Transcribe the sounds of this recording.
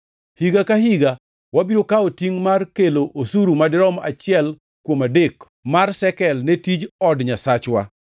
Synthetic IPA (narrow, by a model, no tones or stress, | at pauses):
hiɡakaɦiɡa | wabiɾokaotiŋmarkeloʔosuɾumadɪɾɔma̰t͡ʃɪɛl | kwomadek | marsɛkɛlnetid͡ʒɔdɲasat͡ʃwa̰